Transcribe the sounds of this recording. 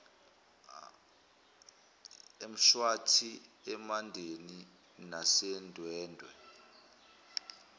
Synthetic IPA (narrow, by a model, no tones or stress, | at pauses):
em̩ʃwatʰiɛmandʱeni | nasɛndʱwɛːndʱwɛ̰